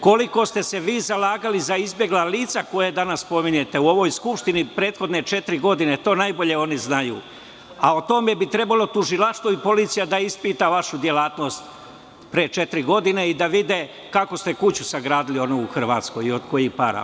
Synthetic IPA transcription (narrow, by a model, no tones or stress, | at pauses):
ko̞liko̞st̪e̞se̞ʋiːzalaːɡalizaizbje̞ɡlˠaliːt̪sako̞jed̪anaspo̞miɲe̞t̪e̞uo̞ʋo̞jskupʃt̪inipɾe̞ːt̪xo̞d̪ne̞t͡ʃe̞t̪ɾiɡo̞d̪ine̞t̪o̞ːnajbo̞ʎe̞o̞niznajṵː | ao̞t̪o̞me̞bit̪ɾe̞balˠo̞t̪uʒilˠaʃt̪ʋoipo̞liːt̪sijad̪aispiːt̪aʋaʃud̪je̞laːt̪no̞ːst̪ | pɾeet͡ʃe̞t̪ɾiɡo̞d̪ine̞id̪aʋid̪e̞ | kako̞st̪e̞kut͡ɕusaɡɾaːd̪ilio̞nuuxr̩ʋaːt̪sko̞jio̞d̪ko̞jiɡpaɾa̰